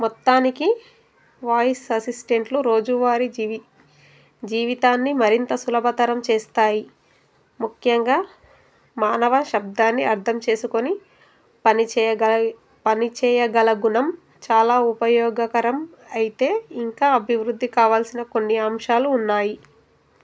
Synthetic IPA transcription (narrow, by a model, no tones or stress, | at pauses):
mɔt̪ːaːniki | ʋaːjsɐsisʈe̞ɳʈluɾo̞ːd͡ʒuʋaːɾi | d͡ʒiːʋit̪aːnːimɐɾint̪ɐsulɐbʱɐt̪ɐɾɐmt͡ʃeːst̪aːji | mukʰjɐŋɡaː | maːnɐʋɐʃɐb̚d̪aːnːiɐɾt̪ʰɐmt͡ʃe̞ːsuko̞ni | ɐniɐ | pɐnit͡ʃɛːjɐɡɐlɐɡunɐm | t͡ʃaːlaːupɐjɔːɡɐkɐɾɐm | ɐjit̪e̞ːiŋkaːɐbʱiʋɾud̪ʱːikaːʋaːlsinɐko̞nːiaːmʃaːluːnːaːji